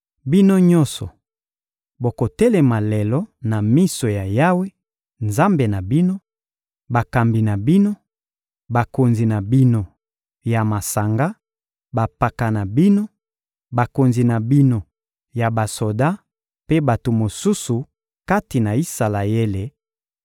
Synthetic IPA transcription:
bi˦no˦ɲɔ˦nsɔ˨ | bo˨ko˨tɛ˦lɛ˨ma˨lɛ˨lɔ˦na˨mi˦so˨ja˨ja˦we˦ | nza˦mbe˨na˨bi˦no˦ | ba˨ka˨mbi˨na˨bi˦no˦ | ba˨ko˨nzi˨na˨bi˦no˦ | ja˨ma˨sa˨ŋɡa˦ | ba˨pa˨ka˨na˨bi˦no˦ | ba˨ko˨nzi˨na˨bi˦no˦ | ja˨ba˨so˨da˦ | pe˦ba˨to˨mo˨su˦su˨ | ka˦ti˨na˨i˦sa˨la˨e˦le˨

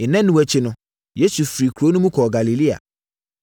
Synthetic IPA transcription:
ɪ˨nɛ̃˦nũ˨wɛ˨t͡ɕʰɪ˦nʊ̃˦ | je˦su˨fɾi˨kʰɾo˨˦nũ˦mũ˦kʰɔ˨ɡa˨li˨li˦a̰˨

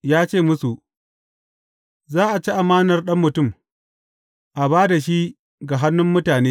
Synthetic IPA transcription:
jaː˦t͡ʃeː˦˨mʊ˦su˨ʔ | zaː˦ʔa˨t͡ʃi˦ʔa˨maː˦nɐ˨rɗɐ˦mːʊ˨tʊ˦˨m | ʔa˨baː˦da˨ʃ̬i˦ | ɡa˨ɦa˦nːʊ˦mːʊ˦taː˨neː˦

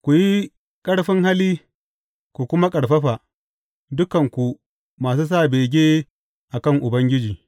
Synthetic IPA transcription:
kʷu˨ji˦ | kʼɐ˦ɽɸɪ˦ŋha˦liː˦ | kʷu˨kʷʊ˦ma˦kʼɐ˨ɽɸɐ˦ɸa˨ | dʊ˦kɐ˨ŋkʷu˨ | maː˨s̬uː˦s̬aː˦˨beː˨ɡʲeː˦ | ʔa˨kɐ˦˨ŋʔʊ˨bɐ˦ŋɡʲɪ˦d͡ʒiː˨

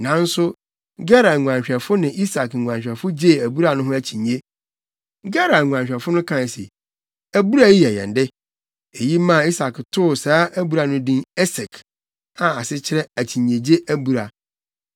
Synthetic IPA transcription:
nã˨˦n̩˦sʊ˦ | ɡɛ˦ɾa˨ŋʷ˨ã˨ɕᶣɛ˨fʊ˦nɪ̃˨ʔi˦sa˨kŋ̩˨ŋʷ˨ã˨ɲɕᶣɛ˨fʊ˦d͡ʑe˦˨æ˨bu˦ɾa˨nʊ̃˦ɦʊ̃˦æ˨t͡ɕʰĩ˨ɲe˦ | ɡɛ˦ɾa˨ŋʷ˨ã˨ɲɕᶣɛ˨fʊ˦nʊ̃˦kʰã˦˨se˨ | æ˨bu˦ɾa˦ji˦ɛ˨jɛ̰̃˨n˨dɪ˦ | e˨ji˦mã˦˨i˦sa˨ktʰʊ˦˨saː˦ʔæ˦bu˨ɾa˨nʊ̃˦dĩ˦nɛ˦sɛ˨kʰ | ã˨a˨sɪ˦t͡ɕʰɪ˦ɾɛ̃˦æ˨t͡ɕʰi˨ɲː˨e˨d͡ʑe˦ʔæ˦bu˦˨ɾa˨

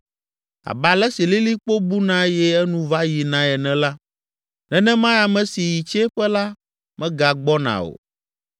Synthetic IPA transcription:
a̰˨ba˨lɛ˦si˨li˦li˦k͡po˦bu˦nã˦jɛ˦ɛ˦nũ˦va˦ji˨nã˨ɛ˨nɛ̃˨la˦ | nɛ̃˦nɛ̃˦mã˦ja˨mɛ̃˨si˨ji˨t͡ʃɛ˦ɸɛ˦la˦ | mɛ̃˦ɡa˨ɡ͡bɔ˦nã̰˨o̰˨

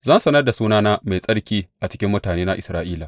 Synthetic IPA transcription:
zɐ˦nsɐ˦nɐ˦rda˨suː˦naː˦naː˦ma˨jsʼɐ˦ɽkʲiː˦ʔa˨t͡ʃɪ̥˦kʲɪ˦mːʊ˦taː˨neː˦na˦ʔɪ˨sɾaː˦ʔiː˦laː˨

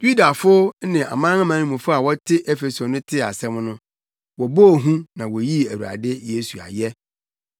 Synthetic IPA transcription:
ju˦da˨fʊ˦nɪ̃˨a̰˨mãː˦ã˦mã˨˦nĩ˦mũ˨fʊ˦a˨wɔ˦tʰɪ˦ʔɛ˦fe˨so˨nʊ̃˦tʰɪ˦˨a̰˨sɛ̃˦m˦nʊ̃˦ | wɔ˨bo˦˨ɦũ˦nã˨wɔ˨ji˦æ˨wu˨a̰˨dɪ˦je˦su˨a̰˨jɛ˦

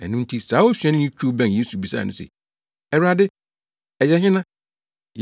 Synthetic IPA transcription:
ɛ̰˨nʊ̃˦n̩˦tʰi˦saː˨˦wo˦ɕᶣɛ̃˦nɪ̃˦ĩ˦t͡ɕʰᶣu˦bɛ̃˦˨n˨ji˦su˨bi˨sa̰ː˦˨nʊ̰̃˦sḛ˨ | ɛ˨ɾa˨dɪ˦ | ɛ˨jɛ˦ɦɪ̃˦nã˦ | j

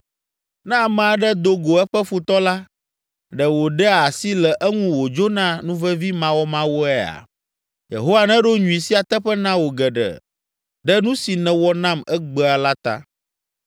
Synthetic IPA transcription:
nɛ̃˦a˨mɛ̃˨a˨ɖɛ˦d̪o˦ɡo˨ɛ˦ɸɛ˦fu˨t̪ɔ˦la˦ | ɖɛ˨wo˨ɖɛ˦˨a˨si˦lɛ˨ʔɛ˦ŋũ˦wo˨d͡ʒo˦nã˦nũ˦vɛ˦vi˦mã˨wɔ˦mã˦wo˦ɛ˦a̰˨ | jḛ˨ɦo˦wa˦˨nɛ̃˦ɖo˦ɲũ˨i˨si˦a˨t̪ɛ˦ɸɛ˦nã˦wo˨ɡɛ˨ɖɛ̰˨ | ɖɛ˦nũ˦si˨nɛ̃˨wɔ˦nã˦mɛ˦ɡ͡bɛ˦a˨la˦t̪a̰˦

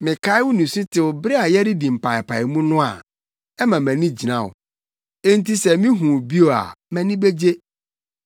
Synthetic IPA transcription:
mɪ̃˨kʰa˦ɪ˦wʊ˦nũ˨sʊ˦tʰɪ˨wʊ˨bɾɪ˦a˨jɛ˦ɾɪ˦dĩ˨m̩˨pʰa˨ɪ˨pʰa˨ɪ˨mũ˦nʊ̃˦a̰˨ | ɛ˦mã˨mæ̃˨nĩ˦d͡ʑi˨nã˨wʊ̰˨ | e˦n̩˦ti˦sɛ˨mĩ˦ɦũ˨bi˦o˨a̰˨mæ̃˨nĩ˦be˦d͡ʑe˦

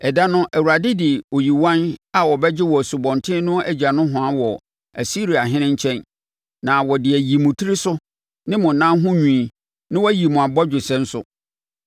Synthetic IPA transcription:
ɛ˨da˦nʊ̃˦ʔæ˨wu˨ɾa˨dɪ˦dɪ˨o˨ji˨wã˦na˨wɔ˨bɛ˦d͡ʑɪ˦wɔ˨æ˨su˨bɔ̃˨ntʰɪ̃˦nʊ̃˦æ˨d͡ʑa˨nʊ̃˦ɦʊ̃˨a˦wɔ˨ | æ˨si˦ɾi˨a˨ɦɪ̃˦nɪ̃˦ɲ˦t͡ɕʰɛ̃˦n | nã˨wɔ˨dɪ˨æ˨ji˨mʊ̃˨tʰi˦ɾi˦sʊ˦ | nɪ̃˦mʊ̃˨nã˦ɦʊ̃˦ɲᶣũ˨i˨ | nɪ̃˦wɔ˦ji˨mʊ̃˨a˨bɔ˦d͡ʑᶣʊ˨sɛ̃˦n̩˦sʊ̰˨

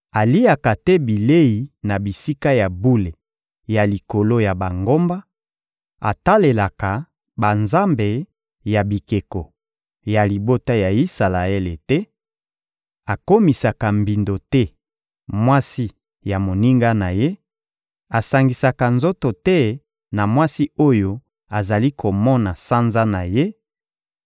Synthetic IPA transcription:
a˨li˦a˨ka˨tɛ˦bi˨le˦i˨na˨bi˨si˦ka˦ja˨bu˦le˨ | ja˨li˨ko˨lo˦ja˨ba˨ŋɡo˦mba˦ | a̰˨ta˦le˨la˨ka˨ | ba˨nza˦mbe˨ | ja˨bi˨ke˨ko˨ | ja˨li˨bo˦ta˦ja˨i˦sa˨la˨e˦le˨tɛ˦ | a˨ko˦mi˨sa˨ka˨mbi˨ndo˨tɛ˦ | mwa˦si˦ | ja˨mo˨ni˦ŋɡa˦na˨je˦ | a˨sa˨ŋɡi˨sa˨ka˨nzo˦to˨tɛ˦ | na˨mwa˦si˦o˦jo˦ | a˨za˨li˦kʰo˨mɔ˦na˨sa˦nza˦na˨je˦

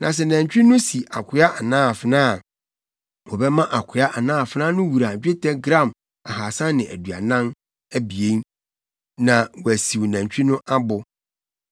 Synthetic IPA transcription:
nã˨s̬ɛ˨næ̃˨ɲ˨t͡ɕᶣi˦nʊ̃˦si˨ʔa˨kʰʊ˨˦a˦ʔa˨nãː˦˨fɪ˦nãː˦˨ | wɔ˨bɛ˦mã˦ʔa˨kʰʊ˨˦a˦ʔa˨nãː˦˨fɪ˨˦nã˦nʊ̃˦wu˨ɾa˨d͡ʑᶣe˦tʰɛ˦ɡɾã˦˨m | a˨haː˨sã˦nɪ̃˨ʔæ̰˨dɥa̰˨nã˦n | æ˦bi˨e˦n | nã˨wɔ˨æ˨si˨wnæ̃˨ɲ˨t͡ɕᶣi˦nʊ̃˦ʔa˦bʊ˨

